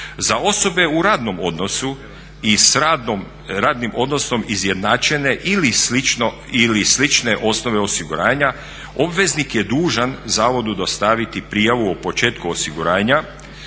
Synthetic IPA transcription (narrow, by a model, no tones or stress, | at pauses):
zao̞so̞be̞uɾaːd̪no̞mo̞d̪no̞su | is | ɾaːd̪nimʔo̞d̪no̞so̞mizjed̪naːt͡ʃene̞ʔiliin | ilislit͡ʃne̞ʔo̞sno̞ʋe̞osiɡuɾaːɲa | o̞bʋe̞znikje̞d̪uːʒanzaːʋo̞d̪ud̪ost̪aʋit̪ipɾijaʋuopo̞t͡ʃe̞ːt̪kuosiɡuɾaːɲa